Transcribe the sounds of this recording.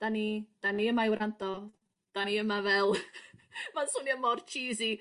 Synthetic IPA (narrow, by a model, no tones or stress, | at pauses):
d̥anid̥aniəmaɪwɾʔantɔ | d̥aniəmavɛlˠ | mansuniəmɔrt͡ʃʰiːzi